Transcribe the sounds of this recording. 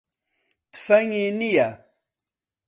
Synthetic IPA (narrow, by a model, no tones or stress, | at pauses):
t̪fɐŋinija